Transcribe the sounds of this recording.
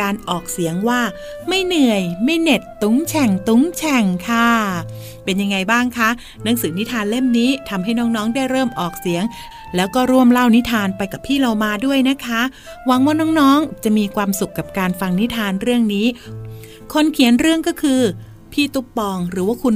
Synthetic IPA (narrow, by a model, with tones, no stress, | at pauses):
kaː˧nʔɔː˨˩k̚si˨˩˦əŋwaː˥˩ | ma˥˩jnɯ˨˩əjma˥˩jne˨˩t̪ːu˨˩˦ŋt͡ɕʰɛ˨˩ŋt̪u˨˦˥ŋt͡ɕʰɛ˨˩ŋkʰa˥˩ | pe˧nja˧ŋːa˧jbaː˥˩ŋkʰa˦˥ | nɯ˥˩əŋsɯː˨˩ni˦˥t̪ʰaː˧nle˥˩mniː˦˥t̪ʰa˧mɦa˥˩jnɔː˦˥ŋnɔː˦˥ŋdaː˥˩jɾɤː˥˩mʔɔː˨˩k̚si˩˦əŋ | lɛː˦˥wkɔː˥˩ɾu˥˩əmla˥˩wni˦˥t̪ʰaː˧npa˧jka˨˩pʰːiː˥˩ɾa˧wmaː˧du˥˩əjna˦˥kʰa˦˥ | wa˨˦˥ŋwaː˥˩nɔː˦˥ŋnɔː˦˥ŋt͡ɕa˨˩ʔmiː˧kʰwaː˧msu˨˩kːa˨˩p̚kaː˧nfa˧ŋni˦˥t̪ʰaː˧nɾɯ˥˩əŋniː˦˥ | kʰo˧nkʰi˨˩˦ənɾɯ˥˩əŋkɔː˥˩kʰɯː˧ | pʰiː˥˩t̪u˦˥k̚pɔː˧ŋɾɯː˩˦waː˥˩kʰu˧n